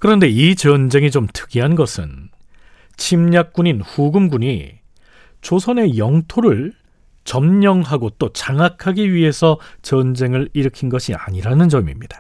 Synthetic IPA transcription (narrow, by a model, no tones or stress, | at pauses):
kɯɾʌnde̞it͡ɕʌnd͡ʑe̞ŋit͡ɕomtʰɯ̥ɡiɦanɡʌsʰɯn | t͡ɕʰimɲak̚k͈uɲinɸuɡɯmɡuɲi | t͡ɕosʰʌne̞jʌŋtʰoɾɯɭ | t͡ɕʌmɲʌŋɦaɡot͈ot͡ɕaŋakʰaɡiɥiɦe̞sʰʌt͡ɕʌnd͡ʑe̞ŋɯɾiɾɯkʰinɡʌɕʰia̰ɲiɾanɯnd͡ʑʌmḭmɲid̥ḁ